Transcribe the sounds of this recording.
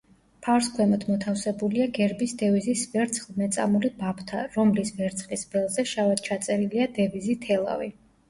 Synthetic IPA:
pʰafɾskʰwɛmɔt̪ʰmɔt̪ʰafsɛbuliaɡɛɾbisd̪ɛvizisvɛɾt̪sʰχlˠmɛt̪sʼa̰mulibapʰt̪ʰaɾɔmlisvɛɾt̪sʰχlisbɛlˠzɛʃavad̪̥̚t͡ʃʰat̪sʼɛɾiliad̪ɛvizit̪ʰɛlˠa̰vi

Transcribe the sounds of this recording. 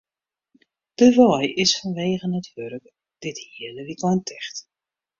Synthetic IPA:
d̥əʋɔjʔɪsfɔnʋeːɣənəthøɾək | d̥ɪthiədəʋikɔjntʰɛxt

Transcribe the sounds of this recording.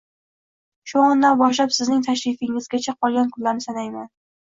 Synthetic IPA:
ʃuɒnːanbɒʃlapsɪznɪŋt̪ʰaʃɾɪfɪŋɪzɡʲat͡ʃʰaqʰɒlˠɡʲankʰʊllːaɾnɪsanajman

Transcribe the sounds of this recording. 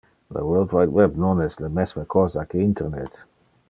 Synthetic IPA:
ðə̰wɜlˠdwaɪtwɛbnɔnɛsləmɛswəkʰɔzakiɪ̃ntʰəɾnɛ̰t

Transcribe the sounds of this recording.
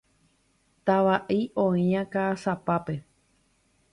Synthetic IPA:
t̪aʋaʔiʔõĩãkasapape̞

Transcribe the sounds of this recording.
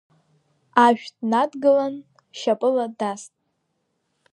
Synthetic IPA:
aʒᶣdnadɡɨlan | ʃapʼɨladastʼ

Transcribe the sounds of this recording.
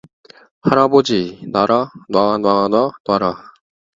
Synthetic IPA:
haɾabod͡ʑinaɾanwanwananwaɾa

